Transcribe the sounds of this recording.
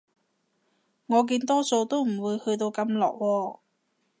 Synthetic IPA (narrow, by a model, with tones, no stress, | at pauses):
ŋɔː˨˧k̬iː˧nt̪ɔː˥so˧wt̪o˥wm̩˨˩wuː˨˧jhɵ˧t̪̬o˧wkɐ˧mlɔ̰ː˨˩k̚wɔː˧